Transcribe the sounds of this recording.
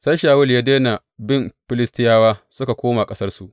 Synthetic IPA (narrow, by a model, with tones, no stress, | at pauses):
sa˦jʃaː˨wʊ˦ljaː˦deː˦na˨ | bɪ˦˨mɸɪ˦lɪ˦stɪ˦jaː˦waː˦sʊ˦ka˨kʷoː˦ma˨kʼɐ˦sɐ˦rsu˨ʔ